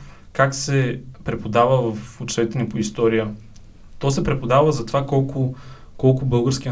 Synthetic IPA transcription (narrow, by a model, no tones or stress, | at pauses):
kaksɛpɾɛpod̪avəvɐfʊt͡ʃɛt̪ɛnipoist̪ɔɾijə | t̪ɔsɛpɾɛpod̪avəzɐt̪ovakɔlˠkʊ | kɔlˠkʊbɤlˠɡəɾsk̟iə